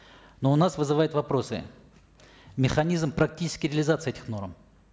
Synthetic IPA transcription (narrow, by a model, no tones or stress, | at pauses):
no̞ʊnasvɨzɨvajʊt̪vɐpɾo̞sɨ̰ | mʲɪxɐnʲizmpɾɐk̚tʲit͡ʃɪ̥skʲɪɾʲɪɐlʲɪzat̪sɨɛtʲɪxno̞ɾm